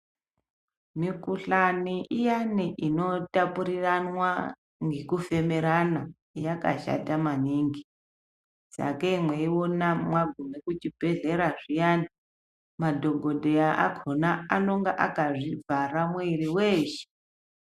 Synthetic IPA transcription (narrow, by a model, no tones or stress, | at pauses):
mikuɬaniʔijaniʔino̞tapuɾiranwa | ŋɡekufe̞meɾana | jaka̰ʃa̰tamaniːŋɡi | sa̰kemweiwonamwaɡʱumekut͡ʃibʱe̞ɮe̞ɾaʐijaːni | madʱo̞ɡʱo̞dʱejaʔaɡʰʱonaano̞ŋɡaʔakaʐivaramweiriweːʃe̥